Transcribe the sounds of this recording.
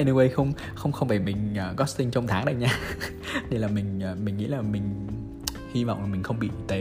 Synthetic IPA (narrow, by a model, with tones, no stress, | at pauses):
e˧nɨ˧we˧jxə˧wŋ͡m | xə˧wŋ͡mxə˧wŋ͡mvaː˨˩mï˨˩ŋ̟ʔəː˨˩kɔ˨˦˥st̪ï˧ŋt͡ɕɔ˧wŋ͡mt̪ʰaː˨˦ŋɗə˧jɲaː˧ | ni˧˩laː˨˩mï˨˩ŋ̟ː˨˩mï˨˩ŋ̟ŋḭ˧˥laː˨˩mï˨˩ŋ̟ | hi˧va̰˧˨wŋ͡mlaː˨˩m˨˩ŋ̟xə˧wŋ͡mɓḭ˧˨t̪e˨˩